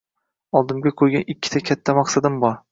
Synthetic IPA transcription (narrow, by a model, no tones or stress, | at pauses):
ɒlˠd̪ɪmɡʲakʰojɡʲanɪkʲːɪ̥t̪ʰakʲʰat̪ʰːamɑqsad̪ɪmbɒɾ